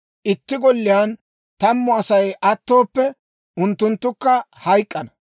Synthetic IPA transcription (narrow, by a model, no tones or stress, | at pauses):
ʔɪt̪ːɪɡɔlːɪjaːn | t̪ɐmːɔɐsɐjʔɐt̪ːo̞ːpːɛ | ʔʊnt̪ːʊnt̪ːʊkːɐhɐjkʼːɐnɐ